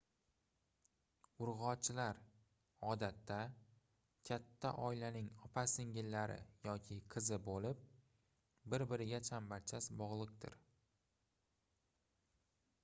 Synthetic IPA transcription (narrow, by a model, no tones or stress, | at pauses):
ʊɾʁɒt͡ʃʰɪlaɾ | ɒd̪at̪ːa | kʲʰat̪ʰːa̰ʔɒjlanɪŋɒpʰasɪŋɡʲɪlːaɾɪ̰jɒkʲʰɪqʰɨzɪbolɪp̚ | bɪɾbɪɾɪɡʲat͡ʃʰambaɾt͡ʃʰasbɒʁlˠɨq̚t̪ɪ̰ɾ